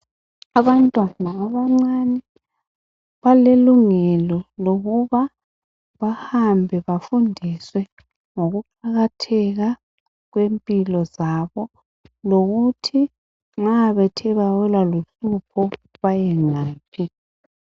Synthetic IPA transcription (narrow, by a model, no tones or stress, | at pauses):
aβantʼwanaːβaŋ͡ǀanɛ | βaleluŋɛlɔloɣuβa | βahambʱɛβafundʱiswɛ | ŋoɣuǃaɣatʰɛɣa | ɣwempʼilɔzaβɔ | loɣutʰi | ŋ͡ǁaβɛtʰɛβawɛlaluɬupʰɔ | βajɛŋaːpʰi